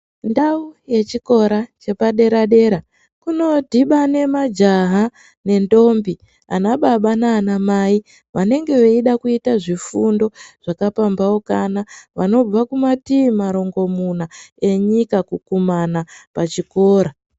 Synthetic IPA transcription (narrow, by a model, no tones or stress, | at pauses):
ndauje̞t͡ʃiko̞ɾat͡ʃe̞paɗe̞ɾaɗe̞ɾa | kuno̞dʱiɓane̞mad͡ʒaɦa | ne̞ndo̞mbi | a̰naɓaɓanaːnamai | ʋane̞ŋɡe̞ʋeiɗakuitaʐifundo̞ʐ̥akapambawokanaʋano̞b͡vakumatimaɾo̞ŋɡo̞munae̞ɲikakukumanapat͡ʃiko̞ːɾa